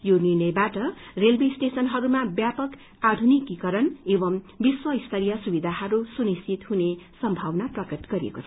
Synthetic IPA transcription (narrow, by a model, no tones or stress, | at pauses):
jonirnʌjbaʈʌrelbisʈesʌnɦʌɾumabjapʌk | ad̪ʱunikːikʌɾʌnebʌm | biswʌist̪ʰʌɾijʌsubid̪ʱahʌɾusunist͡sʰit̪hunesʌmbʱawnaʈrʌkʌʈɡ̥ʌɾijḛkot͡sʰ